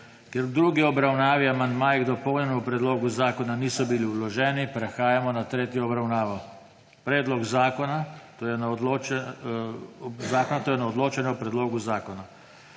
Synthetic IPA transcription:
kjɛɾd̪ɾuːɡiɔbɾawnaːʋiamand̪maːjiɣd̪ɔpɔwnʲɛnupɾɛd̪loːɡuzaːkɔnaniːsɔbiliulɔʒɛːnipɾɛxaːjamɔnat̪ɾeːt̪jɔːbɾawnaːʋɔ | pɾɛːd̪lɔɡzaːkɔnat̪ojɛnalo | zaːkɔnat̪oːjɛnaɔd̪loːt͡ʃɛnɛɔpɾɛd̪loːɡuzaːkɔna

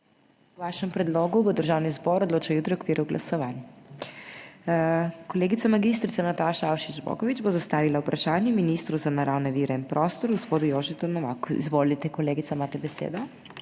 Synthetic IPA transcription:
wʋaːʃɛmpɾɛd̪loːɡubəd̪əɾʒawnizbɔɾɔd̪loːt͡ʃajuːt̪ɾɛjɔkʋiːɾuwɡlʔa̰sɔʋaːnj | kɔleːɡit̪samaɡist̪ɾit̪sanat̪aʃaawʃid͡ʒbɔ̰kɔʋid͡ʒbozast̪aːʋilawpɾaʃaːnjɛminist̪ɾuzanaɾawnɛʋiːɾɛinpɾɔːst̪ɔɾɡospoːd̪ujoːʒɛt̪ɔnɔʋa̰ːkuḭzʋolit̪ɛkɔleːɡit̪samaːt̪ɛbɛsḛd̪ɔ

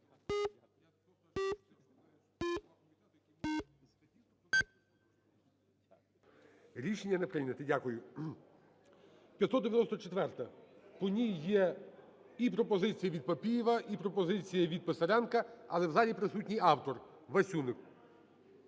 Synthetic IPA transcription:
ɾʲiʃenʲːɐnepɾɪnʲɐt̪ɪdʲakʊjʊ | pʲjɐt̪sɔd̪d̪eʋjɐnɔst̪ɔt͡ʃet̪ʋɛrt̪ɐpɔnʲijːɛ | ipɾɔpɔzɪt͡sʲijɐʋʲid̪̚pɐpʲijiʋɐʔipɾɔpɔzɪt͡sʲijɐʋʲid̪̚pesɐɾʲɑnkɐɐ̰lˠɛwzɑlʲipɾɪsutʲnʲɪjɑwt̪ɔr | ʋɐsʲunɪk

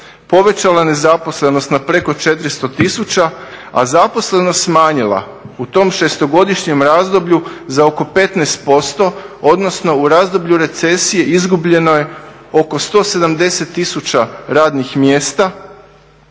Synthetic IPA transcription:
po̞ʋe̞t͡ɕalane̞zapo̞sle̞no̞st̪napɾe̞ko̞t͡ʃe̞t̪ɾist̪o̞t̪isut͡ɕaa̰zapo̞sle̞no̞st̪smaːɲila̰ | ut̪o̞ːmʃe̞st̪o̞ɡo̞d̪iʃɲe̞mɾaːzd̪o̞bʎuzao̞ko̞pe̞t̪neːst̪̚po̞st̪o̞od̪no̞sno̞uɾaːzd̪o̞bʎuɾe̞t̪se̞sije̞ʔizɡubʎe̞no̞je̞ | o̞ko̞st̪o̞ːse̞d̪amd̪e̞se̞t̪ːisut͡ɕaɾaːd̪nixmje̞ːst̪a

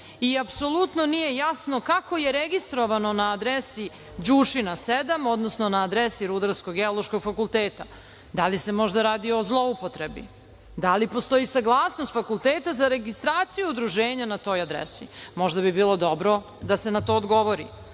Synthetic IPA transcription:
iapso̞lˠut̪nonije̞jasno̞kako̞je̞ɾeɡist̪ɾoʋanonaːd̪ɾesi | d͡ʑuːʃinased̪amo̞d̪nosnonaːd̪ɾesiɾud̪aɾskoɡɡeolˠoʃko̞ɡfakulˠt̪eːt̪a | d̪alise̞mo̞ʒd̪aɾaːd̪io̞zlˠo̞upot̪ɾebḭ | d̪alipo̞st̪o̞jisaɡlˠaːsnost̪fakulˠt̪eːt̪azaɾe̞ɡist̪ɾaːt̪sijuud̪ɾuʒeːɲanat̪o̞ːjad̪ɾḛsimo̞ʒd̪abibiːlˠo̞d̪o̞bɾo̞ | d̪ase̞nat̪o̞ːd̪ɡo̞ʋoɾḭ

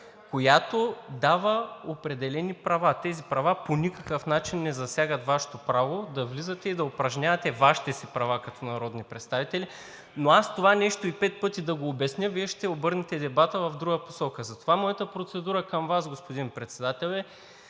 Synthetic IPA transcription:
kojat̪od̪avəopɾɛd̪ɛlɛnipɾɐvat̪ɛzipɾɐvaponʲikɐkəfnat͡ʃinːɛzɐsʲjaɡət̪vaʃɛ̥t̪opɾavod̪ɐvlizət̪ɛid̪ɐopɾɐʒnʲavɐt̪ɛvaʃi̥t̪ɛsipɾɐvakɐt̪ʰɔnɐɾɔd̪nipɾɛt̪st̪avit̪ɛli | noast̪ovanɛʃt̪oipɛt̪̚pɤt̪id̪ɐɡoːbɛsnʲəviɛʃt̪ɛobɤɾnɛt̪ɛd̪ɛbat̪əvɐvd̪ɾuɡəpo̥sɔkəzɐt̪ovamɔjɐt̪əpɾot̪sɛd̪uɾəkɐmvasɡospod̪inpɾɛt̪sɛd̪at̪ɛlˠɛ

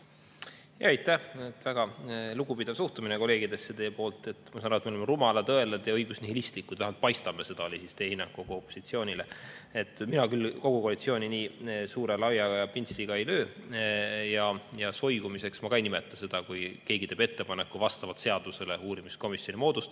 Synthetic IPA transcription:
jɑ̰ejt̪ːˑæhet̪ːvæɡ̥ɑluɡ̥upid̪ɑvsuht̪umineko̞le̞ːɡid̪e̞sːe̞t̪e̞ːpo̞ːlt̪ˑe̞t̪ːˑmɑsɑnɑɾuet̪meolemerumɑlɑt̪ɤe̞led̪̥jɑɤjɡusnihilist̪likːˑud̪̥væɦmɑlt̪̚pɑjst̪ɑmese̞d̪̥ɑolʲisist̪e̞ːhinːɑŋkkoɡuo̞pːˑosit̪sio̞ːnʲile̞et̪ːˑminɑkylko̞ɡ̥ukoɑlit̪sio̞ːnʲiniːsuːɾe̞lɑwjɑɡ̥ɑjɑpinsiɡ̥ɑe̞jlø̞ː | jɑjɑso̞jɡumise̞ksmɑkɑejnimet̪ːˑɑse̞d̪̥ɑkujke̞ːɡit̪e̞ːb̥e̞t̪ːe̞pɑnekːuvɑst̪ɑvɑt̪se̞ɑd̪̥use̞leuːɾimisko̞misio̞nʲimo̞ːd̪̥ust̪

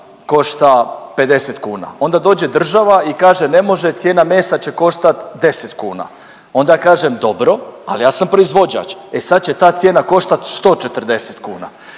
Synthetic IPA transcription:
ko̞ʃt̪ape̞d̪e̞set̪kuːna̰o̞nd̪ad̪o̞ːd͡ʑed̪r̩ʒaʋaikaːʒene̞mo̞ʒe̞t̪sje̞ːname̞ːsat͡ɕe̞ko̞ʃt̪at̪d̪e̞set̪kuːna̰ | o̞nd̪ajakaːʒemd̪o̞bɾo̞a̰lijaːsampɾoizʋo̞d͡ʑa̰t͡ʃesad̪̚t͡ɕe̞t̪aːt̪sje̞ːnako̞ʃt̪at̪st̪o̞ːt͡ʃet̪r̩d̪e̞set̪kṵːna̰

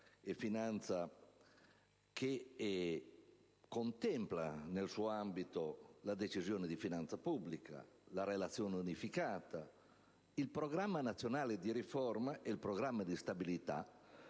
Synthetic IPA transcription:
efinant̪sa | kʰe | kont̪ɛmpla̰nelsuambit̪olad̪et͡ʃizjɔːned̪ifinant̪sapublikʰa̰ | laɾelat̪sːjɔːnunifikaːt̪a | ilpɾoɡɾamːanat̪sːjonaːled̪iɾifɔrmaʔɛilpɾɔɡɾamːad̪ist̪abilit̪a̰

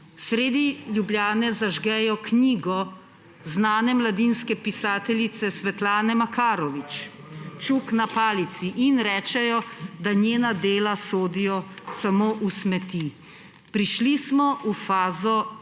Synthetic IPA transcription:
sɾeːd̪iljubljaːnɛzaʒɡɛjɔkniːɡɔ | znaːnɛmlad̪iːnskɛpisaːt̪ɛlit̪sɛsʋɛt̪laːnɛmakaːɾɔʋit͡ʃ | t͡ʃuknapaːlit̪siʔinɾɛːt͡ʃɛjɔd̪anjeːnad̪eːlasoːd̪ijɔsamoːʔusmɛt̪i | pɾiʃlismɔʔufaːzɔ

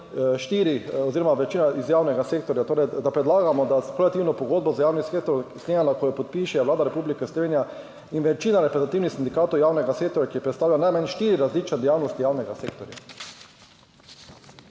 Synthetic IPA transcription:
ʃt̪iːɾiɔziːɾɔmaʋɛt͡ʃiːnaizjaːwnɛɡaseːk̚t̪ɔɾjat̪oːɾɛjd̪apɾɛd̪laːɡamɔd̪akolɛt̪iwnɔpɔɡoːd̪bɔzajaːwnisek̚t̪ɔɾsnʲeɲanakojɔpɔt̪̚piʃɛʋlaːd̪aɾɛpublikɛslɔʋeːnija | inʋɛt͡ʃiːnaɾɛpɾɛt̪at̪iwnixsind̪ikaːt̪ɔwjaːwnɛɡaseːkt̪ɔɾjakiɛpɾɛt̪st̪aːwlʲanajmanʃt̪iːɾiɾazlit͡ʃnad̪ɛjaːwnɔst̪ijaːwnɛɡaseːk̚t̪ɔɾja̰

